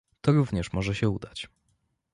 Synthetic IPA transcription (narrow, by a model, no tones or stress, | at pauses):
t̪ɔɾuvɲɛʂmɔʐɛɕɛud̪at͡ɕ